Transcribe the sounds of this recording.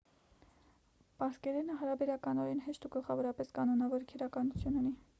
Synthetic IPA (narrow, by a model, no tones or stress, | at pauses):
pɑɾskɛɾɛnəɦɑɾɑbɛɾɑkɑnɔɾɛnɦɛʃt̪uɡəlχɑvɔɾɑpɛskɑnɔnɑvɔɾkʰɛɾɑkɑnut͡sʰjununi